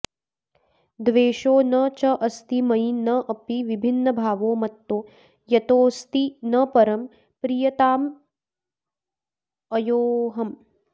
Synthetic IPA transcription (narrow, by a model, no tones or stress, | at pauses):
d̪ʋeːʃoːnɐt͡ʃɐʔɐst̪imɐjnɐʔɐpiʋibʱinːɐbʱaːʋoːmɐt̪ːoː | jɐt̪oːst̪inɐpɐɾɐm | pɾijɐt̪aːm | ɐjoːɦɐm